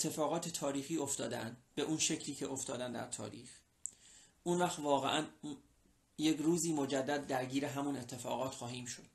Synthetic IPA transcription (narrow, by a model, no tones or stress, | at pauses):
et̪ʰːe̞fɒːɣɒːt̪ʰe̞t̪ʰɒːɾiːxiːo̞ft̪ɒːd̪ænd̪be̞ʔunʃe̞cʰliːcʰeʔo̞ft̪ɒːd̪ænd̪æ̰ɾt̪ʰɒ̰ːɾḭːx | ʔunvæxt̪vɒːɣe̞̰ʔæn | je̞kruːziːmo̞d͡ʒæd̪ːæd̪ːæɾɟiːɾe̞ɦæmune̞t̪ʰːe̞fɒːɣɒːt̪xɒːɦiːmʃod̪̥